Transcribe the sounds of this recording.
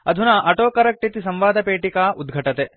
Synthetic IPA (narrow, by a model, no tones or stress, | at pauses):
ɐd̪ʱunɐʔɐʈoːkɐɾɐk̚ʈit̪isɐmʋaːd̪ʱɐpeːʈikaːʔud̪ɡʱɐʈɐt̪e